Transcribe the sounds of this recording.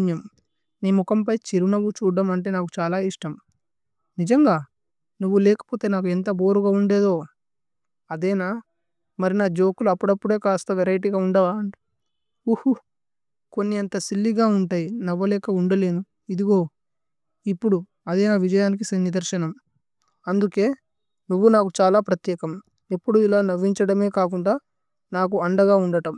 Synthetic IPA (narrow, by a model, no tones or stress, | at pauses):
njɐm | neːmukɐmpɐjt͡ʃeɾunɐʋut͡ʃuːɖaːmɐɳʈ̬e̞ːnaːku̥t͡ʃaːlaːiʂʈɐm | nid͡ʒɐŋɡaː | nuʋːulɛːkɐ̥po̞ːt̪e̞ːnaːk̬uent̪ɐbo̞ːɾuɡaːuɳɖeːd̪o̞ː | ɐd̪ɛːnaː | mɐɾinaːd͡ʒo̞ːkuluɐpːuɽɐpːuɽe̞ːkaːst̪ɐʋeɾɐjʈ̬iɡaːuɳɖɐʋaːɳi̥ | uhu | ko̞nːiɐnt̪ɐsilːiɡaːuɳʈaːjinɐʋːɐlɛːkɐuɳɖɐle̞ːd̪u | id̪iɡo̞ː | ipːuɽu | ɐd̪ɛːnaːʋid͡ʒɐjaːnik̬isɐnid̪ɐɾʃɐnɐm | ɐnd̪uke̞ː | nuʋːunaːkut͡ʃaːlaːpɾɐt̪jɛːkɐm | e̞pːuɽuilaːnɐʋːiɲt͡ʃɐɽɐme̞ːkaːkuɳɖaː | naːk̬uɐɳɖɐɡaːuɳɖɐʈɐm